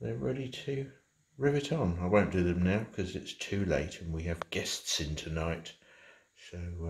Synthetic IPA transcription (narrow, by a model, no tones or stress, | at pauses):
ðəɹɪ̰ːlˠitʰʉ | ɹɪvɨɾn̩aɪwə̃ʊ̃nd̥ɨðɨ̃mnaʊkʰʌzɪtstʰʉleɪtɨ̃nwiɨvɡɛstsɪ̃ntʰɨnaɪt | soʊ